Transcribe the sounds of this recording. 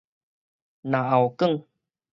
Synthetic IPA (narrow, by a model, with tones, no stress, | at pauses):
na˨ʔa˨wkə˦˥˨ŋ